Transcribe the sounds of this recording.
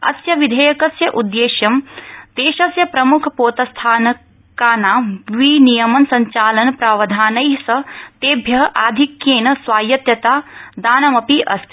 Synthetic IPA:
ɐ̰sjɐʋid̪ʱɐjɐkɐsjɐʔud̪ːeːʃjɐmt̪eːʃɐsjɐpɾɐmukʰɐpoːt̪ɐst̪ʰaːnɐ | kaːnaːʋinijɐmɐnsɐɲt͡ʃaːlɐnpɾaːʋɐd̪ʱaːnɐjɦsɐt̪eːbʱjɐɦʔaːd̪ʱikjeːnɐsʋaːjɐt̪jɐt̪aːd̪aːnɐmɐpiʔɐst̪ʰi

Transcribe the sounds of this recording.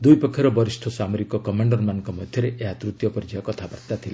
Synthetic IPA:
d̪ujpɔkʰːiɾɔbɔɾisʈʰɔsamoɾikɔkɔmaɳɖɔɾmanɔŋkɔmɔd̪ʱjɔɾeʔeɦat̪ɾut̪jɔpɔɾid͡ʒaɔkɔt̪ʰabaɾt̪at̪ʰila

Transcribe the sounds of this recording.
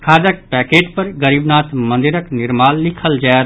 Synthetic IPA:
kʰaːd̪ək̚pɛːkeːʈpəɾɡəɾiːbnaːt̪mə̃nd̪ɪɾəknɪɾmaːllɪkʰəld͡ʒaː

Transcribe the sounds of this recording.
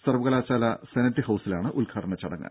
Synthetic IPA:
sɐrʋuɣɐlaːt͡ɕaːlɐsenɐtːiɨhɐwsilaːɳɨʔulkʰaːʈɐɳɐt͡ɕːɐɽɐ̰ŋːɨ̰

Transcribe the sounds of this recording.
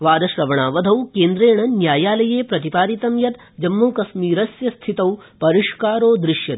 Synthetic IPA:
ʋaːd̪ɐʃɾɐʋɐɳaːʋɐd̪ʱɐwkeːnd̪ɾeːɳɐnjaːjaːlɐjeːpɾɐt̪ipaːɾit̪ɐmjɐt̪ | d͡ʒɐmːuːkɐsmiːɾɐsjɐst̪ʰit̪ɐwpɐɾiʂkaːɾoːd̪ɾɪʃjɐt̪

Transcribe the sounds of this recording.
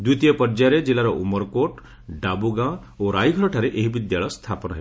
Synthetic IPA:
d̪it̪ijɔpɔɾd͡ʒaɾed͡ʒilaɾɔʔumɔɾkoʈ | ɖabuɡã | oɾajɡʱɔɾɔʈʰaɾeʔeɦibid̪jaɭɔst̪ʰapɔnɔɦe

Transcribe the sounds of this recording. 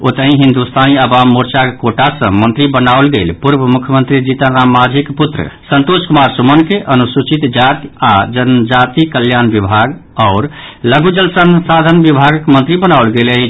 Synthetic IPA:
ot̪əɦĩɦind̪ust̪ʰaniəbamːuɾt͡ʃakkoʈasə̰̃mənt̪ɾibənaolɡelpuɾbəmukʰjəmənt̪ɾid͡ʒit̪aɾamːad͡ʒʱikput̪ɾə̰sənt̪oskumaɾsumənkeʔənusut͡ʃit̪d͡ʒat̪ad͡ʒənd͡ʒat̪ikəljanbibʱaɡaʊɾləɡud͡ʒəlsənsad̪ʱənbibʱaɡkmənt̪ɾibənaʊlɡeleɦi

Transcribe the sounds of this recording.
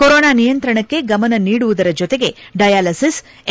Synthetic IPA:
koɾoːnaːnijɐnt̪ɾɐɳɐkːe̞ɡɐmɐnɐniːɽuʋud̪ɐɾɐd͡ʒɔt̪e̞ɡe̞ɖɐjaːlɐsis

